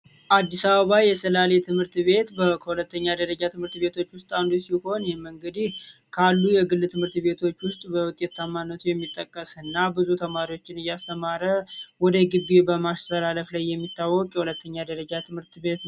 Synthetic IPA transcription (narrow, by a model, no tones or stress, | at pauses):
ʔad̪ːisaβəβajɛsəlalet̪ʰɨmhɨɾt̪βe̞t̪bəkʰəhulət̪ːəɲːad̪əɾəd͡ʒat̪ʰɨmhɨɾt̪be̞t̪ʰo̞t͡ʃːwʊst̪ʼand̪usiho̞njɛməŋɡəd̪ihkʰalːujɛɡɨlːɨt̪ʰɨmhɨɾt̪βe̞t̪ʰo̞t͡ʃːwʊst̪ʼbəwʊt̪ʼːe̞t̪ʰːamːanːət̪ʰujɛmːit̪ʼːəkʼːəsɨnːabɨzut̪ʰəmaɾiwo̞t͡ʃːɪnɨjːast̪ʰəmaɾəwɔd̪əɡɨβːebəmast̪ʰəlaləflajːɛmːit̪ːawːɔkʼjɛhulət̪ʰːəɲːad̪əɾəd͡ʒat̪ʰɨmhɨɾt̪be̞t̪